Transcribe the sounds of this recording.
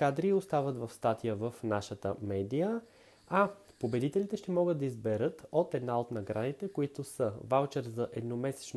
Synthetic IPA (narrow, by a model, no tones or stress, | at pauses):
kad̪ɾiost̪avət̪vɐfst̪at̪ijəvəfnaʃət̪ə̰mɛd̪ijə | a | pobɛd̪it̪ɛlʲit̪ɛʃt̪ɛmɔɡəd̪d̪ɐizbɛɾɤt̪ot̪ɛd̪naot̪nɐɡɾanit̪ɛkoit̪ʊsəvalˠt͡ʃɛɾzɐʔɛd̪nomɛsɛ̥t͡ʃn